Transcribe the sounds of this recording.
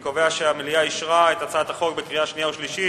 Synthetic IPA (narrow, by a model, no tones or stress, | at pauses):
koveaʃeameliaiʃʁaet̪at͡sat̪aχo̞ɡbekʁiaʃnijaoʃliʃi